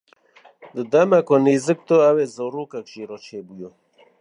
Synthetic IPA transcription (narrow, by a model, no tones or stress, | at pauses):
d̪əd̪ɐmakonizək̚t̪oawezɐwɾuːkakʃiɾot͡ʃʰebujo